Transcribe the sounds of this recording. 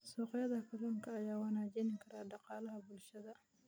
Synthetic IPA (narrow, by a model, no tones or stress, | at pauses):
sɔːqjɐðɐkʰɐɾɔːŋkʰɐːjaːwɐnaːd͡ʒɛnɪŋkʰɐɾaːdɑqɑːlɐɦɐbʊlʃɐðɐ